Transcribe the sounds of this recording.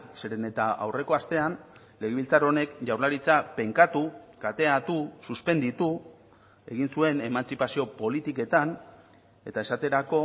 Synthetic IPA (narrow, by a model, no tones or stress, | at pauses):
seɾe̞ne̞t̪aa̰wre̞ko̞ast̪e̞an | le̞ɣeβilt͡saɾo̞ne̞kʝawɾlaɾit͡sape̞ŋkat̪ukat̪e̞at̪ususpe̞nd̪it̪u | e̞̰ɣinsue̞ne̞mant͡sipasio̞po̞lit̪ike̞t̪an | e̞t̪ae̞sat̪e̞ɾako̞